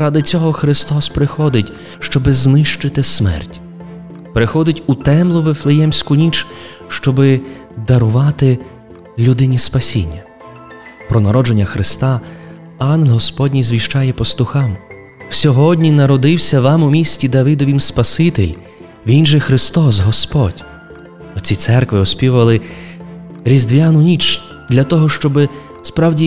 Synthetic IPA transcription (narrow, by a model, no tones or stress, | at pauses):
ɾɑd̪ɪt͡sʲɔɦɔxɾɪst̪ɔspɾɪxɔd̪ɪtʲ | ʃt͡ʃɔbɪznɪʃt͡ʃɪt̪ɪsmɛ̰rtʲ | pɾɪxɔd̪ɪtʲʊt̪ɛmlˠʊʋeflˠejɛmsʲkʊnʲit͡ʃ | ʃt͡ʃɔbɪ | d̪ɐɾʊʋɑt̪ɪ | lʲud̪ɪnʲispɐsʲḭnʲːɐ | pɾɔnɐɾɔd͡ʒenʲːɐxɾɪst̪ɑ | ɑnɦɔspɔdʲnʲizʋʲiʃt͡ʃɑjɛpɔst̪ʊxɑm | w̥sʲɔɦɔdʲnʲinɐɾɔd̪ɪwsʲɐʋɑmʊmʲisʲtʲid̪ɐʋɪd̪ɔʋʲimspɐsɪt̪ɪlʲ | ʋʲinʒɛxɾɪst̪ɔsɦɔspɔdʲ | ɔt͡sʲit̪sɛrkʋɪɔsʲpʲiʋʊʋɐlˠɪ | ɾʲizd̪ʋʲjanʊnʲit͡ʃ | d̪lʲɐt̪ɔɦɔʃt͡ʃɔbɪ | spɾɑwdʲi